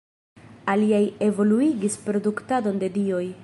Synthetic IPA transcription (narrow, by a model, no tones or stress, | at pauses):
aliaje̞vo̞luiɡispɾo̞duktado̞nde̞dio̞j